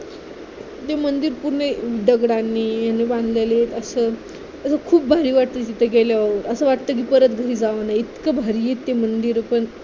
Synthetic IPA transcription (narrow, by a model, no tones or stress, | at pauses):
t̪emənd̪iɾpuɾneiɖəɡɽanːiːjanːebãnd̪lelet̪əsəː | əsəkʰuːp̚bʱaɾiːʋaʈ̚t̪ət̪it̪ʰəɡeljaaʋəɾəsəʋaʈt̪ək̬iːpəɾət̪ɡʱəɾiːd͡zaʋanajit̪kəbʱaɾiːjet̪ːemənd̪iɾpəɳ